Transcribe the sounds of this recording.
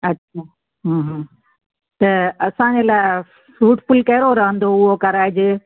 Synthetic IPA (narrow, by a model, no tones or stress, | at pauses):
ɐtːɕʰaː | ɦə̃ːɦ | t̪ɐɐsãɲd͡ʑelaːɪ | fɾuːʈfʊlkɐɪɾoɾɐɦə̃nd̪oʊɦokɐɾaːɪd͡ʑɪ